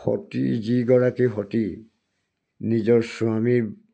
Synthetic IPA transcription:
xɔ̰tḭziɡɔɹakixɔti | nizɔɹsuamiɹ

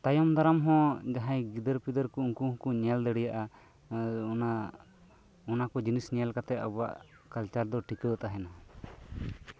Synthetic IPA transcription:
t̪ajɔmd̪aɾamɦɔ̃d͡ʒaɦãjɡid̪əɾpid̪əɾkuuŋkuhkuɲɛld̪əɽɛjaʔa | na | ɔnakɔd͡ʒinisnijalkat̪ɛt̪ɔba̰ʔ | kalt͡ʃaɾd̪ɔʈikəwat̪aɦɛna

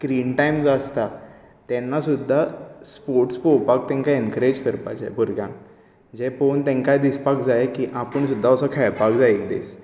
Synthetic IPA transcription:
skɾiːɳʈajmd͡zast̪a | t̪ɛ̃nːasud̪ʱːaspoɾʈspowpak̚t̪ɛ̃ŋkaiŋkɾed͡ʑkəɾpa̰t͡ɕa̰jbuɾɡjã̰ŋ | d͡ʑepont̪ɛ̃ŋkajd̪ispakd͡zaekiʔapəɳsud̪ʱːaəsɔkʰɛɭpakd͡zaekd̪ḛs

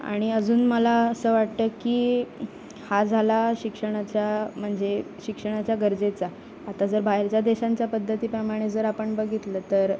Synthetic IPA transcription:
a̰ɽ̃iəd͡zuːnməlaəsəːʋaʈ̚t̪əkiː | had͡zʱalaɕikʂəɽ̃at͡ɕjam̤əɳd͡ze | ɕikʂəɳ̃at͡ɕjaɡəɾd͡zet͡saː | t̪ad͡zəɾbajɾt͡ɕjad̪eɕaɲt͡ɕjapəd̪ʱːət̪iːpɾəmaɽ̃ed͡zəɾapəɳbəɡʱit̪ləːt̪əɾ

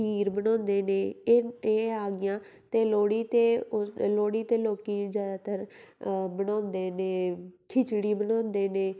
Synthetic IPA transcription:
iːɾbənɔ̃ːnd̪eːnẽːeːaːɡɪjãː | t̪eːloːɽiːt̪eːloːɽiːt̪eːloːkiːzjaːd̪aːt̪əɾ | bənɔ̃ːnd̪eːnẽːkʰɪt͡ʃɽiːbənɔ̃ːnd̪eːnẽː

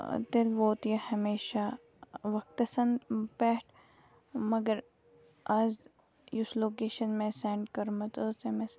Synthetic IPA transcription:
t̪elʋoːt̪ijɐhɐmeːʃa | ʋɐk̚t̪ɐsɐnpɛːʈʰ | mɐɡəɾ | ɐz | jʊsloːkeːʃɐnmẽsɛ̃ːɳɖkɐɾmɐt̪əzemẽs

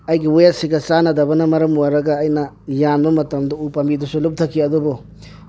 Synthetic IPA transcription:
ɐjɡiwojat̚siɡɐt͡ʃanɐdɐbɐnɐmɐɾɐmwaɾɐɡɐːjnɐ | janbɐmɐtɐmdɔupambidusulup̚tʰɐkʰːiɐdubɔ

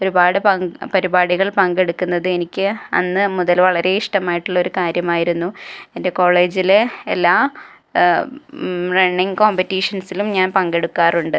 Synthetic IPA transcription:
o̞ɾubaːɽɨpɐŋpɐɾibaːɽiɣɐɭpɐŋɡe̞ɽukːunːɐðɨe̞nikʲːɨɐ̰nːɨmuðɐlʋɐɭɐɾe̞iʂʈɐmaːjiʈːuɭːɐoɾukaːɾjɐmaːjiɾunːuende̞ko̞ːɭe̞ːd͡ʑileelːaː | reɳːiŋkoːmpɐtːiːʂɐnsilumɲaːnpɐŋɡe̞ɽukːaːruɳɖɨ

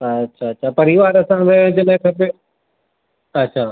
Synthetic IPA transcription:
ɐtːɕʰaːɐtːɕʰaːpɐɾiʋaːɾɐsãd̪ɐd͡ʑɪlaɦɪ̃kʰɐpe | ɐtːɕʰaː

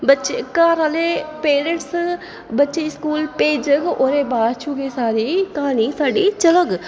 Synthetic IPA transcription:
bɐtːʃekaːɾalepeːɾəɳʈs | bɐtːʃeɪskuːlpeːd͡ʒəɡʔoɾebaːt͡ʃʰuːkesaːɾikaːnisaːɖit͡ʃɐləɡ

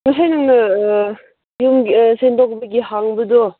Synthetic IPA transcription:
ŋasajnɯŋnɯ | jumɡsendɔk̚bɐɡiɦaŋbɯdo

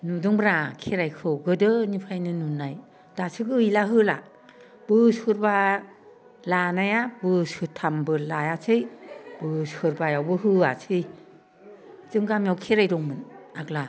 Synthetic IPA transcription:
nudɯŋbɾakʰeɾajkʰɯwɡɯdɯnipʰajnɯnunːaj | d̥asʰɯɡɯːjlaɦɯla̰ | b̥ɯshɯɾba | lanajabɯshɯtʰambɯlajasʰɯjb̥ɯshɯɾbajawbɯɦɯa̰sʰɯj | zɯŋɡamijawkʰeɾajɾɔŋmɯnakla

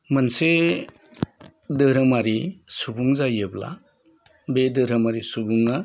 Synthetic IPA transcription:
manse | dɯɾɯmaɾisubuŋzajɯbla̰ | bedɯɾamaɾisubuŋa

